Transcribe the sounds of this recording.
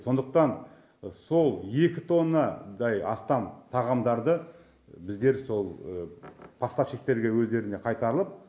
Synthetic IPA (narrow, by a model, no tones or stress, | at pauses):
so̞nd̪əq̚t̪ɑn | so̞lˠje̞kʲɪt̪ʰo̞nːɑd̪ɑjɑ̰st̪ɑmt̪ʰɑʁɑmd̪ɑɾd̪ə | bɪzd̪e̞ɾso̞lˠəpʰɑst̪ɑpʃek̚t̪e̞ɾɡʲe̞wɵzd̪e̞ɾɪne̞qʰɑjt̪ɑɾəlˠəp̚